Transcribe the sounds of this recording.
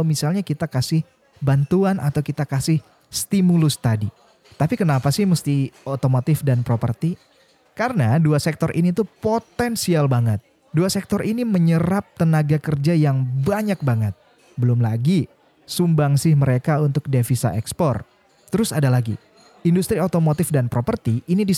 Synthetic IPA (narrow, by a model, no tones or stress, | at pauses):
misalɲakit̪akasɪh | bant̪uanʔat̪awkit̪akasɪh | st̪imulʊst̪adi | t̪apikənapasɪhməst̪iot̪omot̪ɪfdanpɾopə̰rt̪i | kaɾənaduasɛk̚t̪ɔrʔḭnit̪upot̪ɛnsialbaŋət̪̚ | duasɛk̚t̪ɔrʔiniməɲəɾap̚t̪ənaɡakərd͡ʒajaŋbaɲak̚baŋət̪̚ | bəlʊmlaɡi | sumbaŋsɪhməɾekaunt̪ʊk̚defisa̰ʔɛkspɔr | t̪əɾʊsadalaɡḭ | indust̪ɾiot̪omot̪ɪfdanpɾopərt̪iʔːnidi